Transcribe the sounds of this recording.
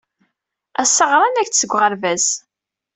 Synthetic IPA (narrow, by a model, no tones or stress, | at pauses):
æsːəʁɾˤɑnæçsəɡʷːʁəɾvæz